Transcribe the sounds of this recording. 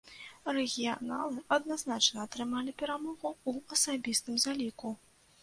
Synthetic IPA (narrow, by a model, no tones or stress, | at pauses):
rɛɣʲijanalˠɨʔɐd̪naznat͡ʂnɐːt̪ɾɨmalʲipʲɛɾamɔɣuuɐsabʲist̪ɨmzalʲiku